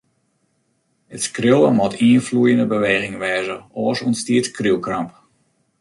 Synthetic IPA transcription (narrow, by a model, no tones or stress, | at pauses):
ətskrɪlˠəmɔtʰiənflujəndəbəʋeːɣɪŋʋɛːzəɔːəsuənstiətkrilˠkramp